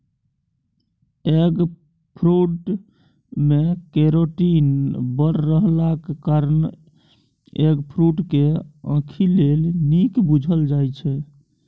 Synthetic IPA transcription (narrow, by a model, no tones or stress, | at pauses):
eɡ | pʰɾuʈ | mekeɾoʈinbəɾːəɦlakkaɾən | ḛɡpʰɾuʈkeə̰̃kʰilelnikbud͡ʒʱəld͡ʒajt͡ʃʰɛ